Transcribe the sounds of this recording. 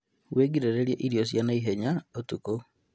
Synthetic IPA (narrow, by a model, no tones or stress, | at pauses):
weːɡiɾeɾeɾjeʔiɾijos̬janaiɦeɲaotuko